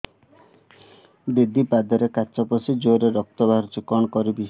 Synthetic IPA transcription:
d̪id̪ʱːipad̪ɔɾekat͡ʃɔpɔsid͡ʒoɾeɾɔk̚t̪ɔbaɾt͡ʃukɔnɔkɔɾibi

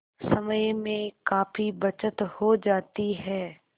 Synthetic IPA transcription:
sɐməjmẽkaːfibɐt͡ʃət̪hod͡ʒaːt̪iɦɛː

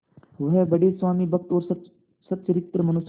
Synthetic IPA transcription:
ʋɐɦɛbɐɖeːsʋaːmiːbʱɐk̚t̪ɔːɾ | sɐt̪ːʃəɾɪt̪ɾəmɐnʊs

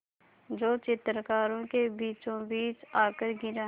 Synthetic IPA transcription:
d͡ʒoːt͡ʃɪt̪ɾkaːɾõkebiːt͡ʃõbiːt͡ʃaːkəɾɡɪɾaː

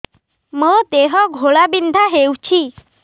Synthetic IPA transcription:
mət̪eɦɔɡʱoɭabind̪ʱaɦewt͡ɕʰi

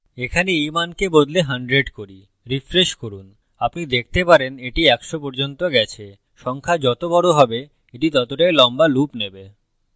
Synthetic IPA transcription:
ekʰaneimankebod̪leɦaɳɖɾeɖkoɾi | ɾifɾeʃkoɾun | apnid̪ek̚ʰt̪epaɾeneʈiɛkʃopɔɾd͡ʑont̪oɡɛt͡ɕʰe | ʃɔŋkʰad͡ʑɔt̪obɔɽoɦɔbe | eʈit̪ɔt̪oʈaelɔmbalupnebe

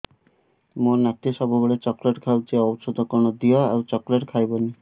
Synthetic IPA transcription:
moɾnak̚t̪iʃɔbuboɭet͡ɕɔkleʈkʰawt͡ʃeɔbsod̪ʱɔkɔɾɳɔd̪iɔa̰wt͡ʃɔkleʈkʰajbɔni

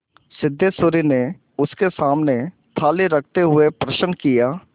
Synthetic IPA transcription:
sɪd̪ʱːesʊːɾine | ʊskesaːmne | t̪ʰaːleɾɐkʰt̪eɦʊepɾɐʃənkijaː

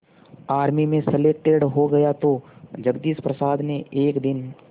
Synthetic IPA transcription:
aːɾmimẽseleːʈːeɖɦoɡɐjat̪od͡ʒɐɡd̪iːspɾɐsaːd̪neʔeːkd̪ɪn

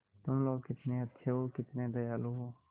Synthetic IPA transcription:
t̪ʊmloːɡkɪt̪neət̪ːʃʰeɦoːkɪt̪nẽd̪əjaːloɦoː

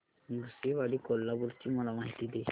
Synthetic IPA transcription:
mɡseʋaɽikolːabuɾt͡ɕiməlamaɦit̪id̪e

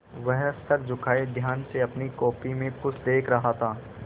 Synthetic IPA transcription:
ʋɛɦsɐɾd͡ʒʊkʰaːed̪ʱjaːnseɐpnikɔːpimẽkʊsʰd̪eːkʰɾɐɦat̪ʰaː

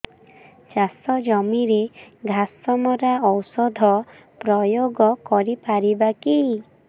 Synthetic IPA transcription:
t͡ʃasɔd͡ʒɔmiɾeɡʱasɔmɔɾaɔwsɔd̪ʱɔ | pɾɔjoɡɔkɔɾipaɾibaki

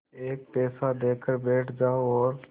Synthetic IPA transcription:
eːk̚pɛːsad̪eːkʰəɾbɛːʈʰd͡ʒaːoɔːɾ

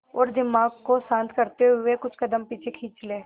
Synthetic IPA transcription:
ɔːɾd̪ɪmaːɡkosãːnt̪kɐɾt̪eɦʊekʊt͡ʃʰkɐd̪əmpiːt͡ʃʰekʰiːt͡ʃleː

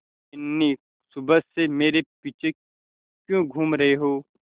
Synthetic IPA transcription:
ɪnːi | sʊbəsemeːɾepiːt͡ʃʰe | kjõɡʱuːmɾɐɦeɦoː

